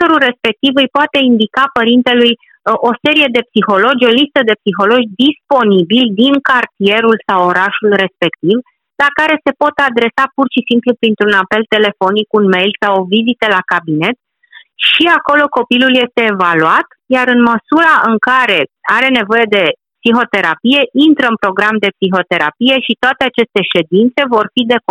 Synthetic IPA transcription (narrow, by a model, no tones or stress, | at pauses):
t̪oɾulre̞spe̞k̚t̪ivɨjpoat̪e̞ind̪ikapəɾint̪e̞luj | ʔo̞se̞ɾije̞d̪e̞psixo̞lo̞d͡ʒʲo̞list̪əd̪e̞psixo̞lo̞d͡ʒʲd̪ispo̞nibild̪iŋkart̪ie̞ɾulsawo̞ɾaʃulre̞spe̞kt̪iv | lakaɾe̞se̞po̞t̪ad̪ɾe̞sapurʃisimplupɾint̪ɾunape̞lt̪e̞le̞fo̞nikunme̞jlsawo̞vizit̪əlakabine̞t̪̚ | ʃiako̞lo̞ko̞pilulje̞st̪e̞ːvaluat̪ | jaɾɨnməsuɾaʔɨŋkaɾe̞aɾe̞ne̞vo̞je̞d̪e̞psiɦo̞t̪e̞ɾapije̞ʔint̪ɾəɨnpɾo̞ɡɾamd̪e̞psiɦo̞t̪e̞ɾa̰pije̞ʃit̪oat̪e̞at͡ʃe̞st̪e̞ʃe̞d̪int̪se̞vo̞rfid̪e̞k